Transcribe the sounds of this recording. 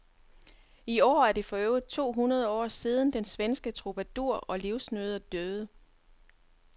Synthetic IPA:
iɒ̰ːæɐd̥e̝fɒ̽øːʊð̩ˠt͡sʰo̝̰ːɦunɐð̞ˠɒ̰ːsiːð̞ˠən̩d̥ensʋensɡ̥ət͡sʰʁo̝b̥æd̥uɐ̰ɒ̽liʊsnøð̞ˠɐd̥øð̩ˠə

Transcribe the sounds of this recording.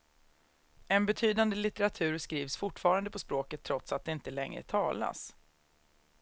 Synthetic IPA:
ɛnbɛt̪ʰyːd̪and̪əlɪt̪ɛɾat̪ʰʉ̟ːɾskɾiːvsfʊʈfɑːɾand̪əpʰɔspɾoːkət̪ʰːɾɔt̪sat̪̚d̪ɛɪnt̪əlɛŋɾə̰t̪ʰɑːla̰s

